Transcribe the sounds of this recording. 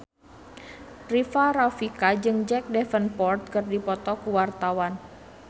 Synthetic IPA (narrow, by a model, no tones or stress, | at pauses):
rifarafikad͡ʒɨŋd͡ʒɛk̚dɛfənpɔrt̪̚kɨrdipɔt̪ɔkuwart̪awan